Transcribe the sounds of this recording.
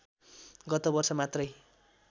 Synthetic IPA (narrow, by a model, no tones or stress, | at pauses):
ɡʌt̪obʌrsʌmat̪rʌj